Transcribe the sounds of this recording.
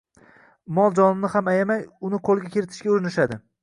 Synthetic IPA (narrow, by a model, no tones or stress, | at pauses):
mɒlˠd͡ʒɒnɪnɪhamajamajʊnɪqʰolˠɡʲakʲʰeɾɪt̪ʰɪ̥ʃkʲaʊɾɪnɪʃad̪ɪ